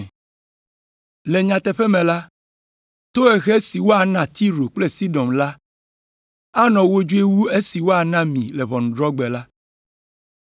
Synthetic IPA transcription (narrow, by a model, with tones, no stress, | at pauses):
le˨ɲã˨t̪ɛ˨ɸɛ˦mɛ̃˨la˦ | t̪o˦ɛ˨ɣɛ˦si˨wo˦a˨nã˦˨t̪i˦ɾo˨k͡ple˦si˦dɔ˨mla˦ | a˦nɔ̃˨wo˦d͡ʒu˦e˦wu˦e˦si˨wo˦a˨nã˦mĩ˨lɛ˨βɔ˨n̩˨dɾɔ˦ɡ͡bɛ˨la˦